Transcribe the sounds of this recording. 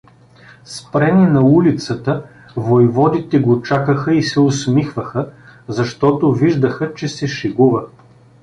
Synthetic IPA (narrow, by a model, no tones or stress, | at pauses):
spɾɛninɐulit̪sət̪ə | vojvɔd̪it̪ɛɡot͡ʃakəxəisɛosmixvəxəzɐʃt̪ɔt̪oviʒd̪əxət͡ʃɛsɛʃiɡuvə